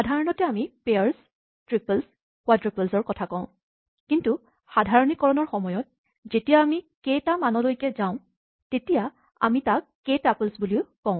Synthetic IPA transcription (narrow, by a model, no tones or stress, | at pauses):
xadʱaɹɔnɔtɛamipejaɹs | tɹipəls | kwatɹipəlsɔɹkɔtʰakɔ̃ʊ̃ | kintu | xadʱaɹɔnikːɔɹɔnɔɹxɔmɔjɔt̚ | zetijaːmiketamanɔlojkɛzãʊ̃ | tetija | a̰mitakː | etaplsbuliʊkɔ̃ʊ̃